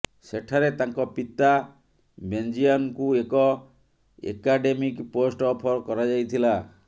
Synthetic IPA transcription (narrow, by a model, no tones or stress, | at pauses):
seʈʰaɾet̪aŋkɔpit̪a | bend͡ʒiɔnkuekɔ | ḛkaɖemikposʈɔpʰɔɾkɔɾad͡ʒajt̪ʰila